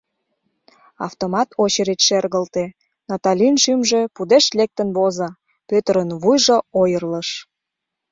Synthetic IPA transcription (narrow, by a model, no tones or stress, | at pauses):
ɑ̰ft̪omɑt̪ʰot͡ɕəɾet͡ɕʃerɣəlt̪e | nɑt̪ɑlʲinʃymʒe̽pud̪eʃlek̚t̪ənβozɑ | pøt̪əɾənβujʒoojərləʃ